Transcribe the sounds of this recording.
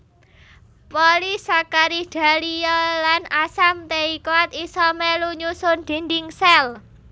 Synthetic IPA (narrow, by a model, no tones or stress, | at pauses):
pɔlisakaɾid̥a̤lijɔlanasamt̪eikat̪isɔmeluɲusʊnd̪̥i̤ndiŋsɛl